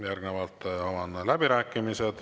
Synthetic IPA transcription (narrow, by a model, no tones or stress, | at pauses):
jærɡnevɑlt̪ːˑɑvɑnːlæbiɾæːkːˑimised̪̥